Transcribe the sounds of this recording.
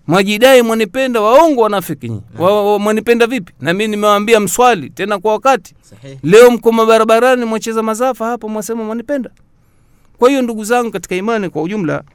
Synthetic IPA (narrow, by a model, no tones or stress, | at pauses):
mwaʄiɗaimwanipɛndawaɔŋɡɔwanafikḭɲḭwamwanipɛndavipi̥naminimɛwaːmbiam̩swalḭtɛnakwawakati̥ | lɛɔm̩kɔmaɓaɾaɓaɾanimwat͡ʃɛzamazafahapamwasɛmamwanipɛnda | kwahijɔnduɡuzaŋɡukati̥kaimanikwauʄum̩la̰